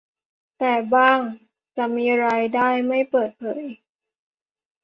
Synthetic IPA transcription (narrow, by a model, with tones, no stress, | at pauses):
t̪ɛː˨˩baː˥˩ŋ | t͡ɕa˨˩miː˧ɾaː˧jdaː˥˩jma˥˩jpɤː˨˩t̪̚pʰɤ̰ː˩˦j